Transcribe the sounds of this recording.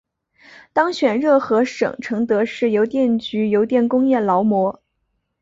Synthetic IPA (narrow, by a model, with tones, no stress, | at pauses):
t̪ɑ˥ŋɕɥɛ˨˩nɻɤ˥˩xɤ˧˥ʂɤ̰˨˩ŋʈ͡ʂʰɤ˧˥ŋt̪ɤ˧˥ʂɻ̩˥˩jo˧˥ʊt̪jɛ˥˩nt͡ɕy˧˥jo˧˥ʊt̪jɛ˥˩nkʊ˥ŋjɛ˥˩lɑ˧˥ʊmwɔ˧˥